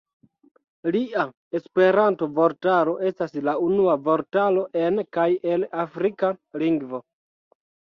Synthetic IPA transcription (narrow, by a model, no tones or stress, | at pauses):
liʔa | e̞spe̞ɾantovo̞ɾtaɾo̞ʔe̞staslaunuavo̞ɾtalo̞ʔe̞nkaje̞lafɾikaliŋɡvo̞